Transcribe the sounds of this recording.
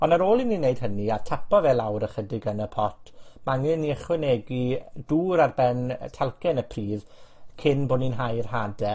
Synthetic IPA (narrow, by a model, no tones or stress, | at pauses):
ɔnaɾoːlˠininejd̥ɦəniartʰapʰɔvɛlˠawɾəχədɪɡənəpʰɔtʰmaŋɨnːiəχwɛnɛɡiduːɾarbɛntʰɛlˠkɛnəpʰriːð | kʰɪnboːninɦajrɦadɛ